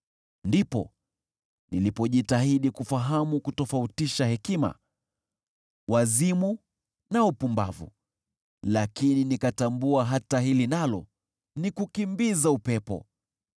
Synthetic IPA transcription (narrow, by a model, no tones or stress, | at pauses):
ndipɔ̰ | nilipɔʄitaɦiɗikufaɦamukutɔfautiʃahɛkima̰ | wazimu | naupumba̰vṵ | lakininikatambuaɦataɦilinalɔ | nikukimbizaupɛpɔ̰